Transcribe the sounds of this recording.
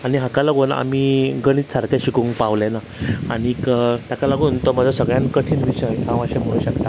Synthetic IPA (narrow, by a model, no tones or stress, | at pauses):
aɽ̃iɦãkalaɡuːna̰miːɡəɽ̃iːt̪saɾkjaɕikũŋɡpaʋlena | aɽ̃ikət̪jakalaɡuːnt̪ɔm̤əd͡zʱasəɡɭjãnkəʈʰiːnʋiɕəjkãʋ̃əɕem̤əɭũɕəkt̪a